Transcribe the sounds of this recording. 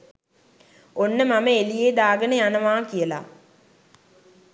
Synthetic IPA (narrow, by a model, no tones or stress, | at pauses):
onːəmaməelijeːd̪aːɡənəjanəʋaːkijəla̰